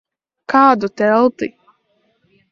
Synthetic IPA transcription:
kaːd̪ut̪ɛlˠt̪i

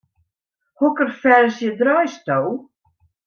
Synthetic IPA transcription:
hʊkəɾfɛɾsjɛd̪ɾajst̪ow

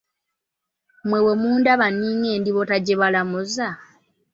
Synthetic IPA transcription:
mwewemuːndaβaniːŋeːndiβotaɟeβalamuza

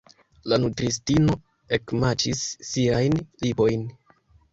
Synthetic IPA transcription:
lanutɾis̬tino̞ | ekmat͡ʃisːiajnlibo̞jn

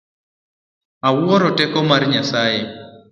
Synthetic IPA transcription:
awɔɾɔtɛkɔmarɲasaje

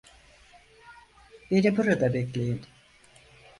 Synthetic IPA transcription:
benibuɾad̪abeklʲejin

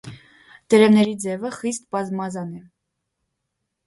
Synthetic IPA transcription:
d̪̥ɛɾɛvnɛɾid͡zɛvəχist̪̚bɑzmɑzɑnɛ

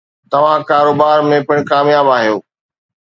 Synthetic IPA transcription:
t̪ɐʋ̤ãkaːɾoːbaːɾmẽpɪɽ̃kaːmjaːbaːɦijoː

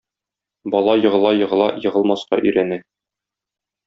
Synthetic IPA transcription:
bɒlˠɑjɤ̆ʁɤ̆lˠɑjɤ̆ʁɤ̆lˠɑ̰jɤ̆ʁɤ̆lˠmɑsqɑ̰ʔɵ̆jɾænæ

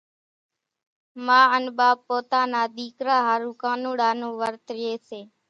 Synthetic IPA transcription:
mãːənɓaːpːoːt̪aːnaːd̪iːkɾaːɦaːɾũːkaːnũːɖaːnõːʋəɾt̪ɾɪeːseː

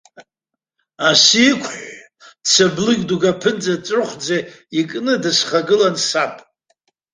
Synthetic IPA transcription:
asikʷʰħ | t͡sʰablɨɡʲduɡapʰɨnt͡sʼat͡sʷʼrɨχʷd͡zeikʼnɨdɨsχaɡɨlansapʼ

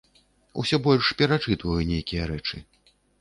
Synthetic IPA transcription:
ṵsʲɔbɔlʲʂpʲɛɾat͡ʂɨt̪vɐjunʲejkʲijɐɾɛt͡ʂɨ

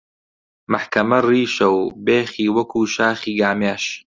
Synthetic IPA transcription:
maħkɐmɐriːʃɐwbeːχiːwɐkʰuːʃaːχiːɡaːmeːʃ

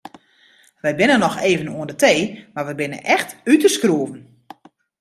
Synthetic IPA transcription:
ʋɛjbɪnənɔxeːvənṵəndətʰeːmarʋəjbɪnə̰ʔɛxtytəskruəvən̩

